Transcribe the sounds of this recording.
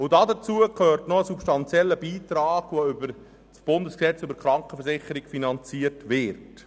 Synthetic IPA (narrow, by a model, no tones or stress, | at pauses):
ʊdɑdət͡suəkʰøːrtnoəsupʃtɑnt͡sjɛlːəbiːtɾɑːɡ̥ʋoʏbəɾ | sb̥ʊndəsksɛt͡sʏbəɾkɾɑŋkəfəɾsɪχəɾɪkfinɑnt͡siətʋɪrt